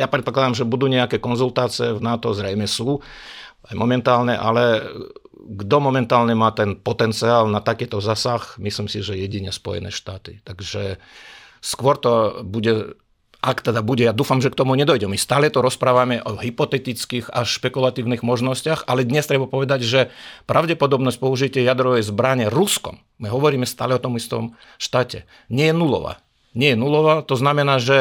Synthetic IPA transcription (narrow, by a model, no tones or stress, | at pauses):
japɾɛt̪̚pɔklad̪amʒɛbud̪uːɲɛakɛːkɔnzult̪aːt͡siɛvnaːt̪ɔzɾɛjmɛsuː | ajmɔmɛnt̪aːlɲɛʔa̰lɛ | ɡd̪ɔmɔmɛnt̪aːlɲɛmaːt̪ɛnpɔt̪ɛnt͡siaːlnat̪akɛːt̪ɔzaːsaxmisliːmsiʒɛjɛɟiɲɛspɔ̰jɛ̰nɛ̰ːʃt̪aːt̪it̪aɡʒɛ | skʊɔɾt̪ɔbuɟɛ | ʔakt̪ɛd̪abuɟɛjad̪uːfamʒɛkt̪ɔmuɲɛd̪ɔjɟɛmɛmist̪aːlɛt̪ɔɾɔspɾaːʋamɛʔɔɦipɔt̪ɛt̪it͡skiɣaʃpɛkulat̪iːʊniɣmɔʒnɔscɪaxalɛd̪ɲɛst̪ɾɛbapɔʋɛd̪aɟʒɛpɾaʊɟɛpɔd̪ɔbnɔsc̚pɔuʒit̪ɪɛjad̪ɾɔʋɛjzbɾaɲɛɾuskɔ̰mːiɦɔʋɔɾiːmɛst̪aːlɛɔt̪ɔmist̪ɔ̰m | ʃt̪aːcɛ̰ | ɲɪɛjɛnulɔ̰ʋa̰ | ɲɛjɛnulɔʋat̪ɔznamɛnaːʒɛ